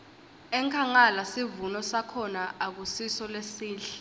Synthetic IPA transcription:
ɛŋkʰaŋalasivunɔsakʰɔnaʔak̬usisɔlesiːɬɛ̥

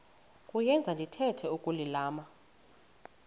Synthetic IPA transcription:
kʼujɛnd͡zʱandʱitʰɛtʰɛukʼulilaːma

